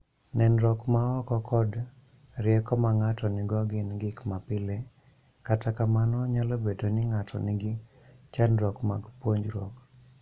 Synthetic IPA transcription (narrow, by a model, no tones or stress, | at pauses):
nɛnɾɔkmaɔkɔkʰɔd | ɾɪɛkɔmaŋatɔnɪɡɔɡɪnɡɪkmapɪle | katakamanɔɲalobedonɪŋatʰɔ̰nɪɡɪ | t͡ʃanɾɔkmaɡpwoɲd͡ʒɾɔ̰k